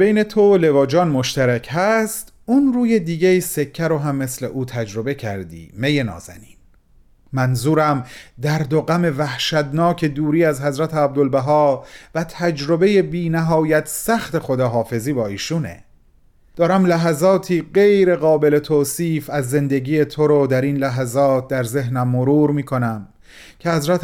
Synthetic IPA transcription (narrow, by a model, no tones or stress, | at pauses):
bejne̞t̪ʰole̞vɒːd͡ʒɒːnmo̞ʃt̪æɾæcʰɦæst̪ | unruːje̞d̪iːɟeise̞cʰːæɾoɦæmːe̞sleʔuːt̪ʰæd͡ʒɾo̞be̞cʰæɾd̪ḭːme̞je̞nɒ̰ːzæ̰niːn | mænzuːɾæmd̪æɾd̪oɣæme̞væhʃæd̪nɒːcʰe̞d̪uːɾiːæzɦæzɾæt̪ʰeæb̚d̪olbæɦɒːvæt̪ʰæd͡ʒɾo̞be̞je̞biːnæɦɒːjæt̪ʰsæxt̪e̞xod̪ɒːɦɒːfe̞ziːbɒːiːʃuːne̞̰ | d̪̥ɒːɾæmlæɦæzɒːt̪ʰiːɢe̞jɾe̞ɣɒːbe̞le̞t̪ʰoːsiːfæzːe̞nd̪e̞ɟiːje̞t̪ʰoɾod̪æɾinlæɦæzɒːt̪̚d̪æɾze̞ɦnæmːoɾuːɾmiːkʰo̞næm | cʰehæzɾæt̪ʰ